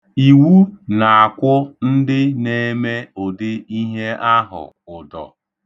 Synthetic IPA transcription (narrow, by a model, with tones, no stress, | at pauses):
i˨wu˦na˨a˨kʷʊ˦n̩˦dɪ˦ne˦˨e˦me˦o˨dɪ˦i˦ɦe˦a˦ɦʊ̰˨ | ʊ˨dɔ̰˨